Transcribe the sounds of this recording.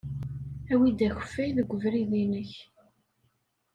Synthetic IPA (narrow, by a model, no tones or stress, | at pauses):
æwid̪æçə̥fːæjðəɡʷːəvɾiðinəç